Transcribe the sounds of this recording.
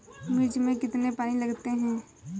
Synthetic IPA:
mɪd͡ʒmẽkɪt̪nepaːnilɐɡt̪eɦɛ̃ː

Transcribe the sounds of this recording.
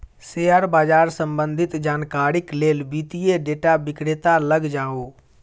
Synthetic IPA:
seːaɾbaːd͡ʒaːɾsə̃mbə̃nd̪ʱɪt̪d͡ʒaːnkaːɾɪkleːlbiːt̪ijeɖeːʈabɪkɽet̪aləɡd͡ʒaːoː

